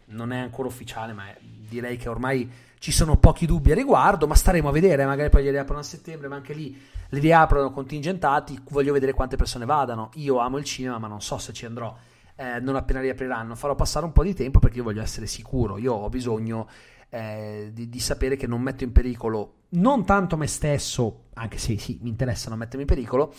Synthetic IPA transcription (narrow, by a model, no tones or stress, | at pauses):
nonɛaŋkoːɾaufːit͡ʃaːlemaɛd̪iɾɛjkeormaj | t͡ʃisoːnopɔːk̟id̪ubːiarːiɡward̪omast̪aɾeːmoavːed̪eːɾeɛmaɡaːɾipɔjliɾiaːpɾanoaset̪ːɛmbɾemaaŋkeli | leɾiaːpɾanokont̪ind͡ʒent̪aːt̪ivɔʎːoved̪eːɾekwant̪epersoːnevaːd̪anoiːoaːmoilt͡ʃiːnemamanːonsɔset͡ʃːiand̪ɾɔ | ɛnonapːeːnaɾiapɾiɾanːofaɾɔpːasːaːɾeumpɔd̪it̪ɛmpopeɾrk̟eiovɔʎːoɛsːeɾesikuːɾo̰iːoɔbizoɲːo | ɛd̪id̪isapeːɾek̟enːomːɛt̪ːoimpeɾiːkolo | nont̪ant̪omest̪esːoaŋk̟e̥sesimiːnt̪eɾɛsːanomɛt̪ːeɾmimpeɾiːkolo